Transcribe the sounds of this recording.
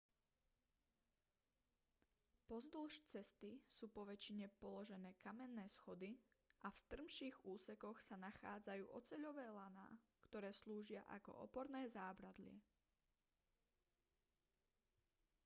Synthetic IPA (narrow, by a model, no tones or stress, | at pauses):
pɔzd̪l̩ʃt͡sɛst̪isuːpɔʋɛt͡ʃiɲɛpɔlɔʒɛnɛːkamɛnːɛːsxɔd̪iʔafst̪r̩mʃiːɣuːsɛkɔxsanaxa̰ːd͡zajṵːʔɔt͡sɛʎɔʋɛːlana̰ːkt̪ɔɾɛːsluːʒɪaʔa̰kɔ̰ʔɔ̰pɔɾnɛːzaːbɾad̪lɪɛ̰